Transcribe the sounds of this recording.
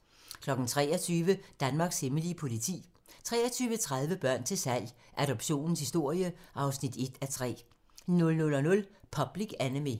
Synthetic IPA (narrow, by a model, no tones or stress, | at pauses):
kʰlɒ̽ɡ̥n̩t͡sʰʁɛ̰ːɐt͡sʰyːʋəd̥ænmɑ̈ːɡ̥se̝məlipʰo̝lit͡sʰḭː | t͡sʰʁɛ̰ːɐt͡sʰyːʋət͡sʰʁäð̞ˠʋəb̥ɶɐ̰nt͡sʰe̝lsæl̰j | ʔæɾ̥ɒ̽b̥ɕo̝̰ːnn̩shisd̥o̝ɐ̰jəʔɑ̈ʊsnid̥e̝d̥æt͡sʰʁɛ̰ː | nɔ̽lnɔ̽lɒ̽nɔ̽lpʰɒ̽b̥liɡ̥ænimi